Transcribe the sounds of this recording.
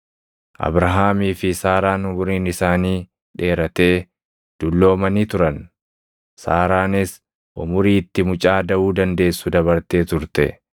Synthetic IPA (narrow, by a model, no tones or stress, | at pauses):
ʔɐ̰bɾɐɦaːmiːfɪsaːɾaːnʊmʊɾiːnɪsaːniː | ᶑe̞ːɾɐt̪e̞ː | d̪̥ʊlːo̞ːmɐniːt̪ʊɾɐn | saːɾaːnɪs | ʔʊmʊɾiːt̪ːɪmʊt͡ʃʼaːd̪ɐʔuːd̪ɐnd̪e̞ːsːʊd̪ɐβɐɾt̪e̞ːt̪ʊɾt̪ɛ̰